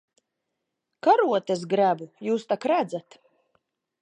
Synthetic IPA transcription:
kaɾuɔt̪es̬ɡɾæbujuːst̪akɾæd̪zat̪

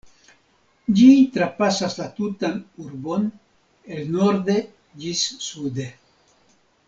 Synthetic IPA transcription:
d͡ʒit̪ɾapasaslat̪utanuɾbo̞n | elno̞ɾd̪e̞ | d͡ʒisːud̪e̞

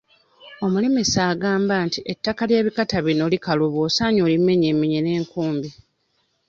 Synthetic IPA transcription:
o̞mulemesaːɡaːmbantiʔetːakaljeːβikataβino̞likaluβoːsaːɲoːlime̞ɲeːmiɲene̞ːŋkuːmbi

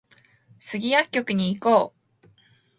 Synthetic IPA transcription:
sɨɡʲijakʲːo̞kɯ̟ɲ̟iːko̞ː

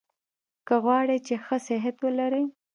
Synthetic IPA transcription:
kəɣwɑɽet͡ʃexəsɪɦat̪wəlaɾi

